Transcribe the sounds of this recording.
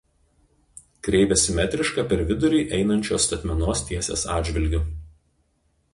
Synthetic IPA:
kɾʲɛɪʋʲɛsʲɪmʲɛt̪ʲɾʲɪʃkɑːˑpʲɛɾʋʲɪd̪ʊɾʲɪːʔɛɪnɐnʲt͡ʃʲoːst̪ɐt̪ʲmʲɛnoːst̪ʲiɛsʲḛːsɑ̰ːd̪ʲd͡ʒʲʋʲɪlʲɡʲʊ

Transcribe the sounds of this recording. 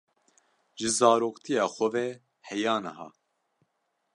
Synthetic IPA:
ʒɨzɑːɾoːkt̪ʰijɑːxʷɔvɛ | hɛjɑːnɛ̰ɦɑ̰ː

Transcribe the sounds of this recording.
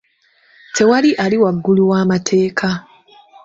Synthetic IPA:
tʰe̞waliʔaliwaɡːuluwaːmatʰe̞ːkʰa

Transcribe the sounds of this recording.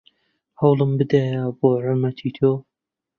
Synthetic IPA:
hɐwlˠɨmbɨd̪ajaːboːʕʊmɐt̪ʰiːt̪ʰoː

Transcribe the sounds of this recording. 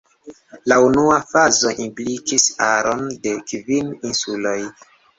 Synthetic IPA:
launuafazo̞ʔimplikisaɾo̞nde̞kvininsulo̞j

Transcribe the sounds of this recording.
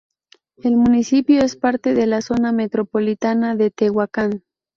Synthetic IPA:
elmunisipjoespaɾt̪e̞ðelaso̞name̞t̪ɾopolit̪anaðet̪eɣwakan

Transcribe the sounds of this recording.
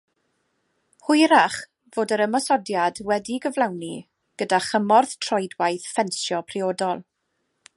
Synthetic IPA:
hʊjɾaχ | voːdəɾəmɔsɔdjadwɛdiɡəvlˠawni | ɡ̥ədaχəmɔrθtʰrɔjdwajθfɛnsjɔpʰrɪoːdɔlˠ

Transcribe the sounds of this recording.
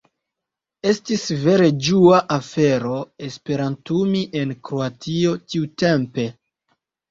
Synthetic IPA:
e̞stisve̞ɾe̞d͡ʒuaʔafe̞ɾo̞e̞spe̞ɾantumiʔe̞nkɾoatio̞tiute̞mpe̞

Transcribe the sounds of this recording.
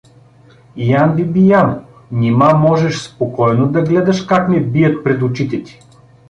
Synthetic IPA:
ijanbibijamo | nʲimamɔʒɛʃspokɔjnod̪ɐɡlɛd̪ɐʃkaknɛbijət̪̚pɾɛt̪ʊt͡ʃit̪ɛt̪ʲi̥

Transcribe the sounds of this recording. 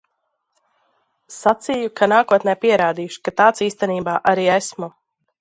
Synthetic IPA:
sat̪sijukanaːkuɔt̪̚nɛːpiɛɾaːd̪iːjuʃi̥kat̪aːt̪siːst̪ɛniːbaːʔaɾiːɛsmu

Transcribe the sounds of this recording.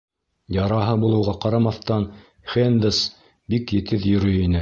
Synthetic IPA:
jɑɾɑɦɤbulˠɤ̆wʁɑqɑɾɑmɑθt̪ɑn | χend̪ɘs | bikjɘ̆t̪ɘðjɵ̆ɾɵjinɘ

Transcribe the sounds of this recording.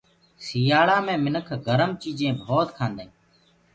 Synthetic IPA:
siːaːɭaːmẽːmɪnəkʰɡəɾəmt͡ʃiːd͡ʒẽːbʱoːt̪kʰãːnd̪ẽː

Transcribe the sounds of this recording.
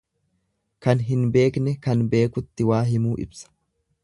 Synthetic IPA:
kɐnɦɪnbe̞ːknɛkɐnbe̞ːkʊt̪ːɪwaːɦɪmuːʔɪ̰bsɐ̥

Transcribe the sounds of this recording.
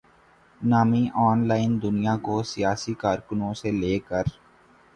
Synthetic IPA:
naːmiʔɔːnlaːɪnd̪ʊnijakosijaːsikaːɾkʊnõseleːkəɾ

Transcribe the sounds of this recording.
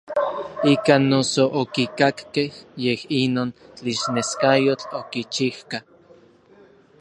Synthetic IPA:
ikanːosoʔokikakkehjehinoːnt͡ɬiʃneskajot͡ɬokit͡ʃihka

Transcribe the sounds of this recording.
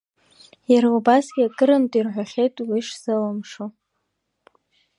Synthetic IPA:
jaɾubasɡʲakʼɨɾɨmtʼirħʷaχʲejtʼwiʂzɨlamʂo

